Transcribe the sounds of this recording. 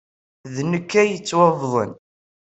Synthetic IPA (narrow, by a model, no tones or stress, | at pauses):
ðnəkːæjət͡sːwɑvðˤə̰n